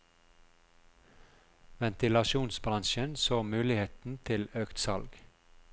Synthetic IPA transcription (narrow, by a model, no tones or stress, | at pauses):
ʋɛnt̪ɪlɑʃuːnsbɾɑnʃənsoːmʉːlɪheːt̪n̩t̪ʰɪløːkt̪sɑlɡ